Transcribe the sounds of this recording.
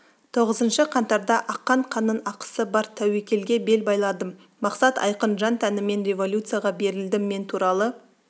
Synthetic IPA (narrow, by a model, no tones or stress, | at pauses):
t̪ʰo̞ʁəzənʃəqʰɑnt̪ɑɾd̪ɑʔɑqːɑɴqʰɑnənɑqə̥səbɑɾt̪ʰæwekʲe̞lɡʲe̞be̞lbɑjlˠɑd̪əmː | ɑqsɑt̪ɑ̰jqənʒɑnt̪ʰænɪme̞nɾʲe̞vo̞lʲjut̪sɨjaʁɑbe̞ɾɪld̪ɪmːe̞nt̪ʰuɾɑlˠə